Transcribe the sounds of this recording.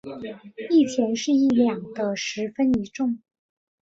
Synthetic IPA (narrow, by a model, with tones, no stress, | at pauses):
i˥˩t͡ɕʰjɛ˧˥nʂɻ̩˥˧i˥˩ljɑ˨˩ŋd̪ə˦ʂɻ̩˧˥fə˥ni˧˥ʈ͡ʂʊ˥˩ŋ